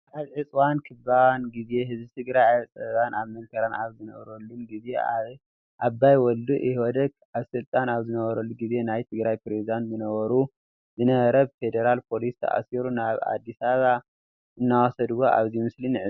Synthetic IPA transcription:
ʔaβʕɨt͡sʼwankʰɨbawanɡize̞hɨzbit̪ʰɨɡɾajat͡sʼɐwanʔaβmɐlkʰɐɾanaβzɨnɐβɾɐlːuɡize̞a | ʔabːajwɔlːuʔihwɔd̪ɐk | aβsɨlt̪ʼanaβzɨnɐβɐɾɐlːuɡize̞najt̪ʰɨɡɾajpɾezid̪ant̪zɨnɐβɐɾu | zɨnɐɾɐβfe̞d̪eɾalpʰo̞list̪ʰɐ̰ʔa̰siɾunaβa̰d̪ːisaβa | ʔɨnːawɔsɐd̪woʔa̰βzimɨslinɨʕɨ

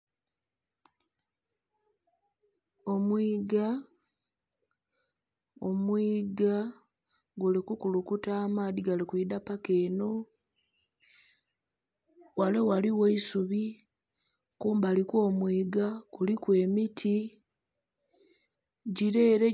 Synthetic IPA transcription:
o̞mwiːɡa | omwiːɡa | ɡolikukulukutaːmadiɡalikwiːdapakeːno̞ | walewaliweisuβi | kuːmbalikwo̞ːmwiːɡakulikwe̞ːmitʰi | ɟiɾe̞ːɾe̞

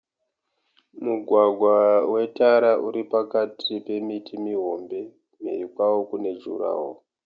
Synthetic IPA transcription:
muɡʱwaɡʱwawe̞taɾauɾipakatʰipe̞mitʰimiɦo̞mbe̞ | mḛikwawokune̞d͡ʒṵɾa̰ːwo

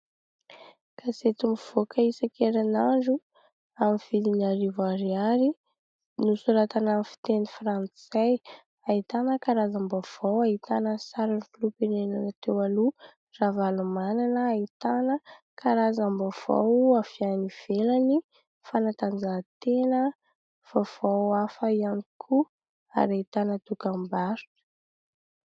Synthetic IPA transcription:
kʰaset̪umiv̥okʰəisakʰeɾanaɳd͡ʒu | amifilinaɾivaɾiaɾi | nusuɾat̪anamfi̥t̪enifrant͡saj | aɦit̪anəkaɾazambav̥awaɦit̪anəsaɾanifilupenenanat̪ewalu | ravalumananəːit̪anə | kʰaɾazambov̥a̰wafianiv̥elani | fanat̪and͡zat̪enə | v̥av̥awafəianikʰu | a̰ɾait̪anət̪ukambaɾtu̥

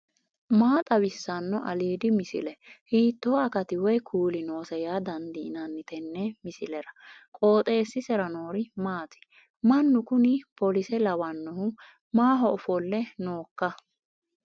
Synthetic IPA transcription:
maːt̪ʼɐwɪsːɐnːɔʔɐliːd̪ɪmɪsɪ̰lɛhiːt̪ːoːɐkɐt̪ɪwɔjkʰuːlɪnoːsɛjaːd̪ɐnd̪ɪːnɐnːɪt̪ɛnːɛmɪsɪlɛɾɐkʼo̞ːt̪ʼe̞ːsːɪsɛɾɐnoːɾɪmaːt̪ɪ̥ | mɐnːʊkʊnɪpɔlɪsɛlɐwɐnːɔhʊ | maːɦɔʔɔfɔlːɛnoːkːɐ

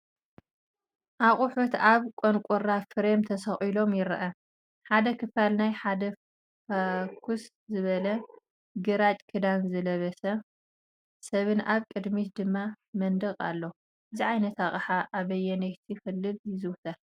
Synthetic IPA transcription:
ʔaχʼʊħut̪aβkʼonkʷʼuɾafɨɾemt̪ʰɐsɐxʼilo̞mjɪɾɐʔɐ | ħad̪ɐkʰɨfalnajħad̪ɐ | fakʰus | zɨβɐlɐ | ɡɨɾat͡ʃʼkʰɨd̪anzɐlɐβɐsɐ | sɐβɨnʔaβkʼɨd̪mit̪d̪ɨmːa | mɐnd̪ɐkʼa̰lːo | ʔɨziʕajnɐt̪aχʼħaʔaβɐjːɛnɐjt̪ʰixɨlːɨljɪzɨwt̪ʰa

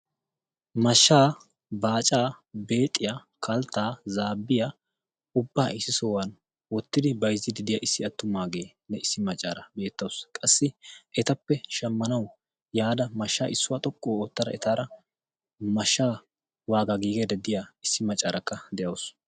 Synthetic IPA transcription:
mɐʃːaː | baːt͡ʃʼaːbe̞ːt̪ʼːɪja | kʰɐlt̪ːaːzaːbːɪja | ʊbːaːʔɪsːɪsoːwɐn | wɔt̪ːɪd̪ɪbɐjzɪd̪ɪd̪ɪjaʔɪsːɪɐt̪ːʊmaːɡe̞ː | nɛɪsːɪmɐt͡ʃʼːaːɾɐbe̞ːt̪ːɐwskʼɐsːɪʔɛt̪ɐpːɛʃɐmːɐnɐw | jaːd̪ɐmɐʃːa̰ːʔɪsːʊwat̪ʼɔkʼːoːoːt̪ːɐd̪ɐ̰ʔɛt̪aːɾɐ | mɐʃːaː | waːɡaɡiːɡed̪ɐd̪ɪjaɪsːɪmɐt͡ʃʼːaːɾɐkːɐd̪ɛjɐws

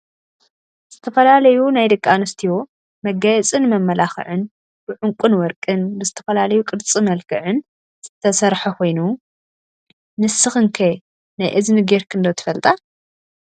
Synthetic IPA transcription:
zz̥ɨt̪ʰɐfɐlalɐjunajd̪ɨkʼːanɨst̪ʰiwo | mɐɡɐjɛt͡sʼɨnmɐmːɐlaxɨ̰ʕɨn | b̥ɨʕʊŋkʷʼʊnwɔɾkʼɨnbɨzɨt̪ʰɐ̥fɐlalɐjukʼɨɾt͡sʼimɐlkʰɨʕɨn | z̥ɨt̪ʰɐsɐɾħɐkʰo̞jnu | nɨsɨxɨŋkʰe | najʔɨznɨɡeɾkʰɨnd̪ot̪ʰɨ̥fɐlt̪ʼa

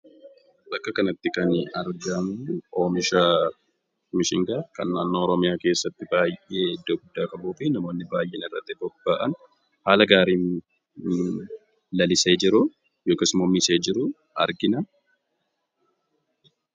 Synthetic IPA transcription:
ʔɐkːɐkɐnɐt̪ːɪkɐnɐɾɡɐmuʔoːmɪʃaː | mɪʃɪŋɡaːkɐnːaːnːoːɔɾɔmɪjaːke̞ːsːɐt̪ːɪbaːjʔe̞ːd̪ːoːɡʊd̪ːaːkɐbuːfɪnɐmo̞ːnːɪbaːjʔɛnɪrːɐt̪ːɪbɔbːaːʔɐn | haːlɐɡaːɾiːn | lɐlɪse̞ːd͡ʒɪɾʊ | joːkɐsmɔmiseːd͡ʒɪɾʊ | ɐ̰ɾɡɪnɐ

